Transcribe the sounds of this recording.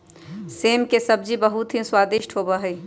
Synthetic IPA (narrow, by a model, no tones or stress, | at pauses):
seːmkesəbd͡ʒibəɦut̪ɦĩswaːd̪iʃʈʰɦoːbaɦɛi